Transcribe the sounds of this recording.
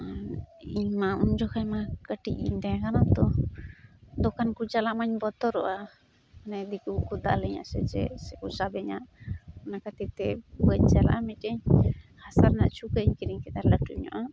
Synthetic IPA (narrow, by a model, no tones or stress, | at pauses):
iɲmauɲd͡ʒɔkaɲmakəʈḭc̚ḭɲt̪ɛakanat̪ɔ | d̪ɔkankud͡ʒalaʔmaɲbɔt̪ɔɾɔʔa | anɛd̪ikukud̪a̰ʔlɛɲa̰ʔsɛd͡ʒɛ̰sɛkusabɛɲaʔɔnakat̪ip̚t̪ɛuwɛɲd͡ʒala̰ʔamit̚əɲhasaɾnaʔt͡ʃʰukəɲkiɾiɲkɛt̪aɾləʈuɲɔ̰ʔa